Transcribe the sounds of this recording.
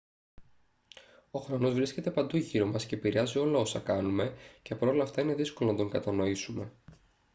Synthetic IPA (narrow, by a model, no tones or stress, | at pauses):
o̞xɾo̞no̞zvɾisce̞t̪e̞pɐnd̪uʝiɾo̞mɐsce̞piɾeɐzio̞lɐo̞sɐkɐnume̞ce̞pɐɾo̞lɐːft̪ɐine̞ðisko̞lonɐt̪o̞ŋɡɐt̪ɐno̞isume̞